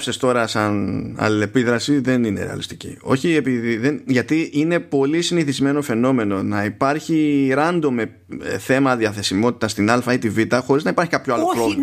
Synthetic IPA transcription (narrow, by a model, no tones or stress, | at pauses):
sest̪o̞ɾɐsɐnɐ̰le̞piðɾɐsiðe̞nine̞̰ɾḛɐ̰list̪i̥cḭo̞̰çie̞piðiðenʝɐt̪iʔine̞po̞lisiniθizme̞no̞fe̞no̞me̞no̞nɐipɐɾçiɾɐnd̪o̞me̞ | θe̞mɐðiɐθe̞simo̞t̪i̥t̪ɐst̪inɐlfɐit̪ivit̪ɐxo̞ɾiznɐipɐɾçi̥kɐpçoɐlopɾov